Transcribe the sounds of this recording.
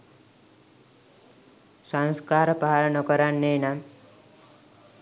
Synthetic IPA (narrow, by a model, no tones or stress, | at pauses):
sanskaɾpaɦaɾnʌkʌɾanːena